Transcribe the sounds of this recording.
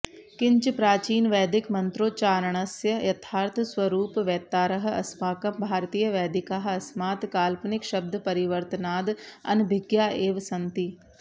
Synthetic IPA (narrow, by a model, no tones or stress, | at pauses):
kɪ̃ɲt͡ʃpɾaːt͡ʃiːnʋɛːd̪ɪkmɐ̃nt̪ɾoːt͡ʃaːɾəɽ̃ɐsjəjɐt̪ʰaːɾt̪ʰswɐɾuːpʋɛt̪ːaːɾɐɦɐ̰smaːkɐmbʱaːɾt̪iːjəʋɛːd̪ɪkaɦɐsmaːt̪kaːlpnɪkʃɐb̚d̪ʱpɐɾɪʋəɾt̪naːd̪ɐ̰nbʱɪɡjaːʔeːʋsɐ̃nt̪i